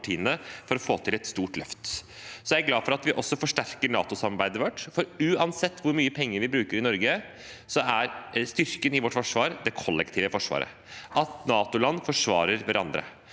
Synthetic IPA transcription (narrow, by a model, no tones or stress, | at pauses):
ʈʰiːnənəfɔɾɔfoːt̪ʰɪlɛt̪st̪uːʈlœft̪sɔjæɾɡlɑːfɔɾɑt̪ʋɪʔɔsːɔfɔʂʈæɾkəɳɑ̰ːt̪ʊsɑmɑɾbæɪd̪əʋɔʈːfɔɾʉːɑnsɛt̪ːʋʊɾmyːəpʰɛŋːəɾʋɪbɾʉːkəɾɪnɔɾɡə | sɔæɾst̪ʏɾkənɪʋɔʈːfɔʂʋɑːɾd̪ɛkʰɔlːɛkt̪ʰiːʋəfɔʂʋɑ̰ːɾə̰ | ʔɑt̪nɑːt̪ʊlɑnːfɔʂʋɑ̰ːɾəɾʋæɾɑ̰nd̪ɾə̰